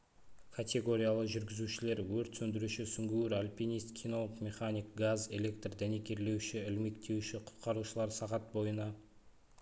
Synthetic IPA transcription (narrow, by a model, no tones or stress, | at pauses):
kʰat̪ʲe̞ɡo̞ɾʲijalˠəʒʏɾɡʲɪzuʃɪle̞ɾwɵɾt̪sɵnd̪ɪɾuʃɪsʏŋɡʲuɾalʲpʲinijst̪̚kʲʰino̞lˠəqmʲe̞χanʲijkɡaze̞lʲe̞kt̪rd̪æne̞kʲe̞ɾle̞wʃɪɪlme̞k̚t̪ʰe̞wʃɪqʰʊ̥t̪qɑɾuʃəlˠɑɾsɑʁɑt̪̚bo̞jənɑ